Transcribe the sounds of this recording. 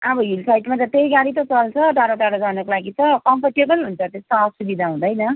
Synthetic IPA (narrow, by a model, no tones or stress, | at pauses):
ʌbʌɦilsajʈmat̪ʌt̪ejɡaɽit̪ʌt͡sʌlt͡sʰʌʈaɾoʈaɾoɡʌrnʌkolaɡit͡sʌkʌmpʰʌrʈebʌlɦunt͡sʰʌt̪est̪aʌsubid̪ʱaɦũd̪ʌjnʌ